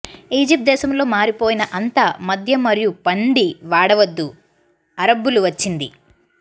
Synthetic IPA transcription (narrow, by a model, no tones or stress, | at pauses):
iːd͡ʒip̚t̪̚d̪ɛːʃɐmlo̞ːmaːɾipoːjinɐʔɐnt̪amɐd̪ʱjɐmɐɾijupɐɳɖiʋaːɽɐʋɐd̪ːu | ɐɾɐbːuluʋɐt͡ʃːind̪ḭ